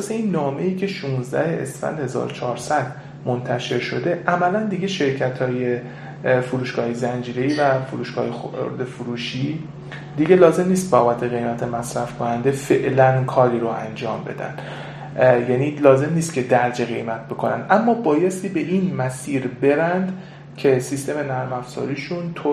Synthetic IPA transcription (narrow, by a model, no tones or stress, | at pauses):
seinːɒːme̞iːcʰe̞ʃunzd̪æ̰heḛsfæ̰nd̪he̞zɒ̰ːɾot͡ʃʰɒːɾsæd̪ | mont̪ʰæʃe̞ɾʃo̞d̪e̞ʔæmælænd̪iɟe̞ʃe̞ɾcʰæt̪ʰɒːje | fuɾuːʃɡɒːhjezænd͡ʒiːɾe̞iːvæfuɾuːʃɡ̥ɒːjexoɾd̪efuɾuːʃi | d̪iɡe̞lɒːze̞mniːst̪̚beɒːbæt̪ʰeɣe̞jmæt̪ʰemæsɾæfkʰonænd̪e̞fe̞ʔlænkʰɒːɾiːɾoæ̰nd͡ʒɒːmbe̞̰d̪æ̰nd̪̥ | jæniːlɒːze̞mniːst̪̚cʰe̞d̪æɾd͡ʒeɣe̞̰jmæt̪̚ʰbe̞kʰonæ̰nd̪ʔæmːɒːbɒːje̞st̪iːbe̞ʔiːnmæsiːɾbe̞ɾænd̪ | cʰe̞sist̪e̞me̞næɾmæfz̥ɒ̰ːɾiːʃunt̪ʰo